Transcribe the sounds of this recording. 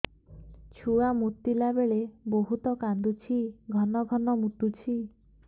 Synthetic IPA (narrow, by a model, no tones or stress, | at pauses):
t͡ʃʰuamut̪ilabeɭeboɦut̪ɔkand̪ut͡ʃʰiɡʱɔnɔɡʱɔnɔmut̪ut͡ʃʰi